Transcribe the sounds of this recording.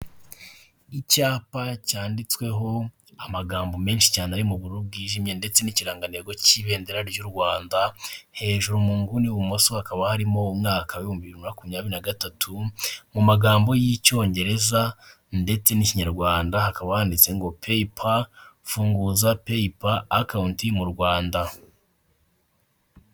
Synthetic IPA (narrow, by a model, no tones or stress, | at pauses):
icaːpacaːndit͡swe̞ɦo̞ | amaɡaːmbo̞me̞ːnʃi̥caːnaɾimuβuɾubɡiːʒimje̞nde̞t͡se̞niciɾaːŋɡaneɡo̞ciːβe̞ːnde̞ɾaɾɟuɾɡwaːndahe̞ːʒuɾomuːŋɡuniuβumosohakaβahaɾimo̞umŋaːkawiumbiβiɾiunakumɲaːβiɾinaɡatatʰumumaɡaːmbo̞jico̞ːɲɟe̞ɾe̞za | nde̞t͡se̞niciɲaɾɡwaːndahakaβahaːndit͡se̞ŋɡo̞pʰe̞ipʰafuːŋɡuzape̞ipaːkawntimuɾɡwaːnda